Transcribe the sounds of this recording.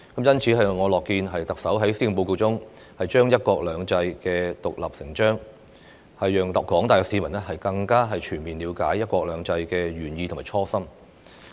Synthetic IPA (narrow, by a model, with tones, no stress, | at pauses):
kɐ˨˥mjɐ˥nt͡sʰiː˨˥ɦɐ˨jŋɔː˨˧lɔː˨kːiː˧nɦɐ˨jt̪ɐ˨k̚sɐ˨˥wɦɐ˨˥jsi˥i˨˩po˧wko˧wt͡sʊ˥ŋ | hɐ˨jt͡ʃœː˥ŋjɐ˥t̚kʷɔː˧k̚lœː˨˧ŋt͡sɐ˧jkɛː˧t̪ʊ˨k̚lɐ˨p̚sɪ˨˩ŋt͡ʃœː˥ŋ | hɐ˨jːœː˨ŋt̪ɐ˨˩kɔː˨˥ŋt̪aː˨jkɔ˧˥siː˨˥mɐ˨˩nɛ˥ɦɐ˨jkɐ˧ŋkaː˥ɦɐ˨jt͡ʃʰyː˨˩nmiː˨˩nliː˨˧˥wkaː˨˥jjɐ˥t̚kʷɔː˧k̚lœː˨˧ŋt͡sɐ˧jkɛː˧ɥyː˨˩njiː˧tʰmaː˨˩t͡ʃʰɔː˥sɐ˥m